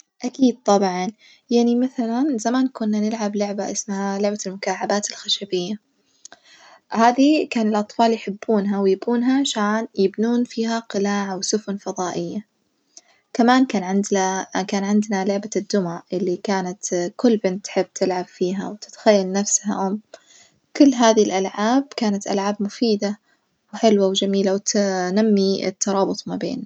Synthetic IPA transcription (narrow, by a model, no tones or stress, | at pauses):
ʔakiːd̪̚t̪ˤɑbʕɑn | jaʕnimaθalanzamaːnkʊnːanɪlʕablʊʕbaʔɪsmhalʊʕbalmʊkaːʕabaːt̪ɪlxaʃabɪjːa | haːðikaːnɪlʔɑt̪ˤfɑːljħɪbːuːnɦawjɪbuːnɦaʕaʃaːnjɪbnuːnfiːɦaqɪlaːʕawsʊfʊnfɑðˤɑːʔɪjːa | kamaːnkaːnʕɪnd̪akaːnʕɪnd̪nalʊʕbad̪ːʊmaʕʔɪlːikaːnat̪kʊlːbɪnt̪ːħɪbːt̪ʰɪlʕab̥fiːɦa̰wt̪ɪ̥t̪ḁxajːalnafsha̰ʔʊm | kʊlːɦaːðilʔalʕaːb̚kaːnat̪ʔa̰lʕaːbmʊfiːd̪a | wħɪlwawd͡ʒamiːlawt̪namːiɪ̰t̪ːɑɾˤɑːbʊt̪ˤmabḛːna